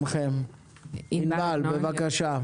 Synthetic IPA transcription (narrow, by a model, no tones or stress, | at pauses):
mχem | inbalbevakaʃa